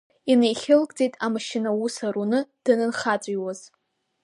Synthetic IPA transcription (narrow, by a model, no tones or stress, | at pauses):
inejχʲɪlkʼd͡zʼejtʼamaʃɪnawusaɾunɨd̥ɨnɨnχat͡sʷʼijwaz̥